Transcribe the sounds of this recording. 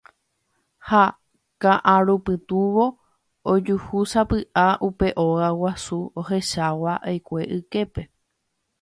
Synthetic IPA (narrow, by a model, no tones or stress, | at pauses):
ha | kãʔãɾupɨt̪uʋo̞ | od͡ʒuhusapɨʔaʔupe̞ʔo̞ɣawasuohe̞ʃawaʔajkʷe̞ʔɨke̞pe̞